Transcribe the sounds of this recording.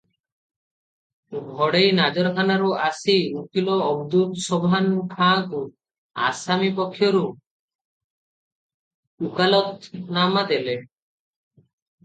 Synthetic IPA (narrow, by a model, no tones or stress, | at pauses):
bʱɔɽejnad͡ʒɔɾkʰanaɾuasinukilɔːbd̪ut̪sɔbʱankʰãku | a̰samipɔkʰːjɔɾu | ukalɔt̪namad̪ele